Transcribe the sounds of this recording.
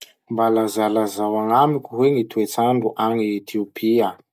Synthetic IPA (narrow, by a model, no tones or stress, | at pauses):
mbalazalazawaŋamikʲuɦweŋit̪uet͡saɳɖ͡ʐuʔaŋiet̪ʰiopʰia